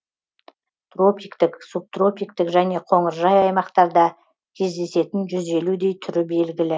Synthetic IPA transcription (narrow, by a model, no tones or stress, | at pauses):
t̪ro̞pʲijkt̪ɪksub̚t̪ro̞pʲijk̚t̪ɪkʒæne̞qʰo̞ɴəɾʒɑjɑjmɑqt̪ɑɾd̪ɑ | kʲʰe̞zd̪e̞se̞t̪ɪnʒʏze̞lud̪e̞jt̪ʰʏɾɪbe̞lɡʲɪlɪ